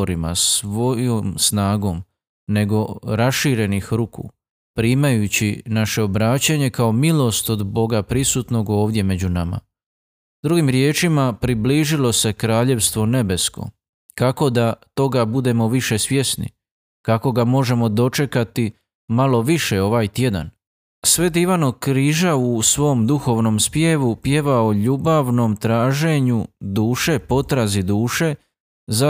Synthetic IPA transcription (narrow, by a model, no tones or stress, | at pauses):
ɾima̰sʋo̞jomsnaːɡo̞ːm | ne̞ɡo̞ɾasʃiːɾe̞nixɾukṵː | pɾiːmajut͡ɕinaʃe̞obɾaːt͡ɕaɲe̞kao̞milo̞st̪o̞d̪bo̞ɡapɾisuːt̪no̞ɡo̞ːʋd̪je̞me̞d͡ʑunama̰ | d̪ɾuɡimɾje̞ːt͡ʃimapɾibliʒilo̞se̞kɾaːʎe̞ʋst̪ʋo̞ne̞be̞sko̞̰ | kako̞d̪at̪o̞ɡabud̪e̞mo̞ʋiʃe̞sʋje̞snḭ | kako̞ɡamo̞ʒe̞mo̞d̪o̞t͡ʃe̞kat̪i | malo̞ʋiʃe̞o̞ʋaːjt̪je̞d̪a̰n | sʋe̞d̪iʋanokɾiːʒausʋo̞md̪uxo̞ʋno̞mspjeʋupje̞ʋaoʎuːbaʋno̞mt̪ɾaːʒe̞ɲud̪uːʃe̞po̞t̪ɾazid̪uːʃe̞ | za